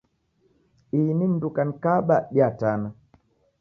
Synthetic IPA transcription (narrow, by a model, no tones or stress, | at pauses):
inindukan̩kaɓaɗjatana